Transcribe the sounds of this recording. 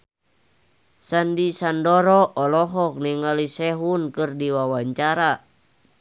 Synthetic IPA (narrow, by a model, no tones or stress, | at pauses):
sandisandɔɾɔʔɔlɔɦɔk̚niŋalisɛɦunkɨrdiwawaɲt͡ʃaɾa